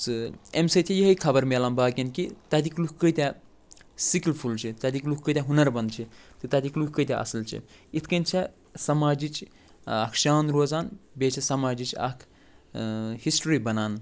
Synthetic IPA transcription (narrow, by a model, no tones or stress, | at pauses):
sɨemsɐt̪ʰijəɦəjkʰɐbɐɾmelaːnbaːkɐnkit̪ɐd̪iklukʰkəjt̪ʲɛ | siklpʰult͡ʃʰit̪ɐd̪iklukkːəjt̪ʲɛ̃ɦunɐɾbɐnd̪̚t͡ʃʰit̪ɨt̪ɐd̪ikluk̚ʰkəjt̪ʲɛʔɐ̰slt͡ʃʰḭit̪ʰkɐnt͡ʃʰɛ | sɐmaːd͡ʒit͡ʃ | ɐkʰʃaːnɾoːzaːnbet͡ʃʰɐsɐmaːd͡ʒit͡ʃʰɐ̰kʰ | hisʈɾibɐnaːn